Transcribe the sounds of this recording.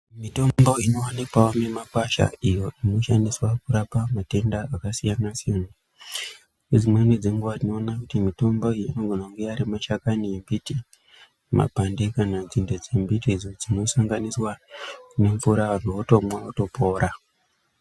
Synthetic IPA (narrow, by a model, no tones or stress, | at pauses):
mito̞mbo̞ino̞wanikawome̞makwaʃa̰ijo̞ʔino̞ʃandiswakuɾapamate̞ndaakasijanasiana | ed͡zimwened͡zeŋɡuʋarino̞ːnakutimito̞mbo̞ijoino̞ɡʱonaŋɡeaɾimaʃakaniembiti | ma̰bʱande̞kanad͡zinded͡ze̞mbitid͡zod͡zino̞saŋɡaniswane̞ɱfuɾaanuoto̞mwaoto̞po̞ːɾa